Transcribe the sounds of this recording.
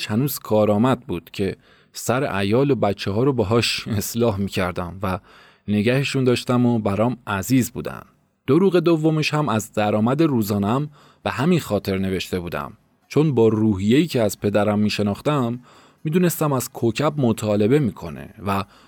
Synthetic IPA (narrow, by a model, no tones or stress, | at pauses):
hænuːz̥kʰɒːɾɒːmæd̪̚buːd̪̥cʰe̞ | sæɾḛʔæjɒːlobæt͡ʃʰːeɦɒːɾobeɦɒːʃe̞slɒːɦmiːcʰæɾd̪æmvæ | ne̞ɟæheʃund̪ɒːʃt̪æmobæɾɒːmæziːzbṵːd̪æ̰m | d̪̥oɾuːɣe̞d̪ovːo̞meʃhæmæzd̪æɾɒːmæd̪e̞ɾuːzɒːneæm | b̥e̞ɦæminxɒːt̪ʰe̞ɾne̞ve̞ʃt̪e̞buːd̪æ̰m | t͡ʃʰo̞nbɒːɾuːɦije̞jiːcʰeæz̥pʰe̞d̪æɾæmːiːʃe̞nɒːxt̪æmː | iːd̪uːne̞st̪æmæz̥kʰocʰæbmot̪ʰɒːle̞be̞miːkʰo̞̰ne̞̰væ